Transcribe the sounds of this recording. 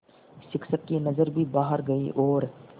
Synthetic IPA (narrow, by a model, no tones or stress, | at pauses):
ʃɪksəkːinɐzəɾbʱibaːɦəɾɡɐḭʔɔːɾ